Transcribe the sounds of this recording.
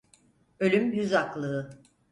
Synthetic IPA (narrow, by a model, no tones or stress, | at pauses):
ø̞lʲymjyzaklˠɯɯ